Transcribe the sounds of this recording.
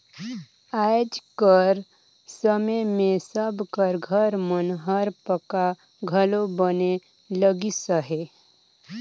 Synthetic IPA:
ajd͡ʒkəɾ | səməjmẽsəbʱkəɾɡʱəɾmənɦəɾpəka | ɡʱəlobəne | ləɡisəɦe

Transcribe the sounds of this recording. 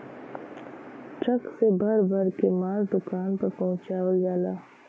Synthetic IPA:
ʈɾəksebʱɐɾbʱəɾkemaːɾd̪ʊkaːnpɐɾpɐɦʊ̃t͡ʃaːwəld͡ʒaːlaː

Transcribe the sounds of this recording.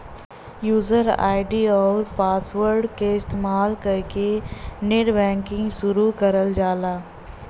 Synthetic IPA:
juːzəɾa̰ːɪɖiɔːɾpaːswəɾɖkeɪst̪eːmaːlkɐɾkeneɖbɛ̃ːŋkɪ̃ŋɡʃʊɾukəɾəld͡ʒaːlaː

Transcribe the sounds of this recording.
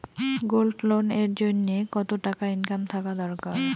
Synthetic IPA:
ɡolɖloneɾd͡ʑonːekɔt̪oʈakaiŋkant̪ʰakad̪ɔɾkaɾ

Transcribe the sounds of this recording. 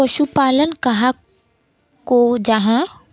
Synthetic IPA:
ɐʃupaːlənkɐɦã | kod͡ʒɐɦã

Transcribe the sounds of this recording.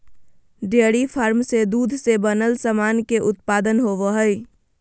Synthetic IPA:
ɖeɽipʰaɾmsed̪ud̪ʱsebənəlsəmankeʔʊt̪paːd̪ənɦoʋəɦəj

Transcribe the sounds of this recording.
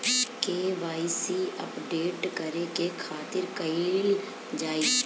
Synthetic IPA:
keːʋaːisiːəpɖeːʈkəɾekeːkʰaːt̪ɪɾkəiːl | d͡ʒaːiː

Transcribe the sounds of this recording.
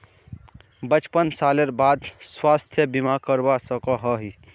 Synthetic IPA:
bət͡ʃpənsaːleɾbaːd̪swaːst̪ʰjəbimakəɾbasəkɔɦɔɦi

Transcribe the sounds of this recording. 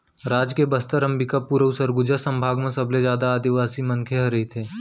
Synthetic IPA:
ɾaːd͡ʒkebəst̪əɾɐ̃mbikapuːɾəusəɾɡʊd͡ʒasɐ̃mbʱaːɡmẽsɐblezjaːd̪aːd̪iʋaːsimɐ̃ŋkʰeɦɐɾɐɦit̪ʰeː

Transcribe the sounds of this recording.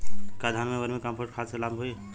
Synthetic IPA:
kad̪ʱanmeɡəɾmekampʰoʈ̚kʰaselamʱɦuj

